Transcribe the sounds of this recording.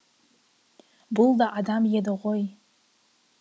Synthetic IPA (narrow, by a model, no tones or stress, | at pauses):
bʊldaʔadamjadɨʁʷoj